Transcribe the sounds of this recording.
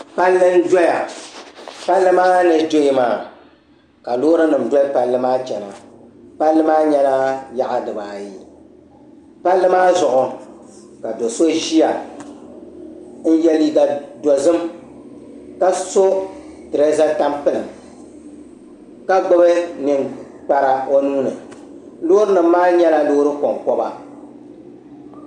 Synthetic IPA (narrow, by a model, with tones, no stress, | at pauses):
pa˦lːɨ˦n̩˦dɔ˦ja˨ | pa˦lːɨ˦maː˦nɨ˨do˦i˦maː˨ | ka˨loː˦ɾɨ˦nɨ˨m̩dʷɔ˦pa˨lːɨ˦maː˦d͡ʒɛ˨na̰˨pa˦lːɨ˦maː˦ɲɛ˦laː˦ja˦ʔa˨dɨ˨baː˨ji˦ | pa˦lːɨ˦maː˦zʊ˨ʔʊ˨ | ka˨do˨so˦ʒi˦a˨ | n̩˦jɛ˦li˦ɡa˨dɔ˨zɨ˦m | ka˦so˦tɨ˨ɾɨ˦za˦ta˦mpɨ˦lɨ˨m | ka˦ɡ͡bʊ˦bɨ˦nɨ˨ŋ | k͡pa˦ɾa˨o˦nuː˦nɨ˨ | lo˦ɾɨ˦nɨ˨m̩ː˦aː˦ɲɛ˦la˦loː˦ɾɨ˦ko˨ŋkɔ˦ba̰˨